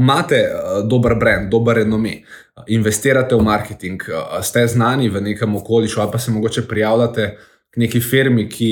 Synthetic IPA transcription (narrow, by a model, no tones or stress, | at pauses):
maːt̪ɛd̪oːbəɾbɾɛnd̪̚d̪oːbəɾɛnɔmeː | inʋɛst̪eːɾat̪ɛwmaɾkɛt̪iŋkst̪ɛznaːniʋəneːkəmɔkoːliʃualpasɛmɔɡoːt͡ʃɛpɾijaːwlat̪ɛ | kneːkifeːɾmikʰi